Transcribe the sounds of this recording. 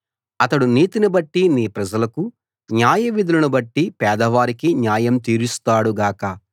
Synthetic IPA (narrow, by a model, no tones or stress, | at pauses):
ɐt̪ɐɽuniːt̪inibɐʈːiniːpɾɐd͡ʒɐlɐku | ɲjaːjɐʋid̪ʱulɐnubɐʈːipɛːd̪ɐʋaːɾikiɲaːjɐmt̪iːɾust̪aːɽuɡaːkɐ